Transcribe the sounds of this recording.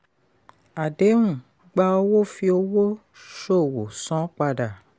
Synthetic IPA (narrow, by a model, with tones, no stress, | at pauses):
a˨de˨˦wũ˦˨ | ɡ͡ba˧o˧wo˦fi˧o˧wo˦ | ʃo˦˨wo˨sɔ̃˨˦k͡pa˧da˨